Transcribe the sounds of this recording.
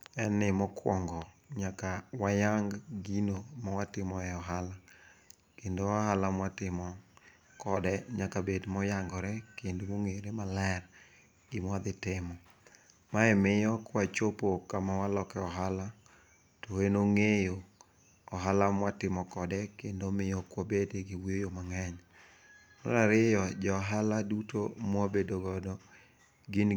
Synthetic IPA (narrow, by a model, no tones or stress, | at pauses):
ɛnɪmɔkwɔŋɡɔɲakawajaŋɡɡinomawatɪmɔɛɔɦala | kendowahalamwatɪmɔ | kɔdɛɲakabedmɔjaŋɡɔɾɛkendomoŋeɾemalɛr | imwad̪ɪtɪmɔ | maɛmɪjɔkwat͡ʃopokamawalɔkɛɔɦala | toenoŋejo | ɔɦalamwatɪmɔkɔdɛkendomɪjɔkwabedeɡɪwijojomaŋɛɲ | nɔ̰ɾaɾɪjɔd͡ʒɔɦaladuto̰mwabedoɡɔdɔ | ɡɪn